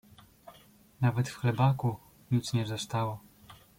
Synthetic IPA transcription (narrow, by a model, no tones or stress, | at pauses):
navɛt̪fxlɛbaku | ɲit̪sɲɛvzast̪awɔ